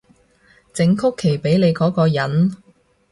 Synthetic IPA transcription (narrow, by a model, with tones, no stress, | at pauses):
t͡sɪ˨˧ŋkʰʊ˥kʰːe˨˩jpe˨˥jne˨˧jkɔː˨˥kɔː˧jɐ˨˥n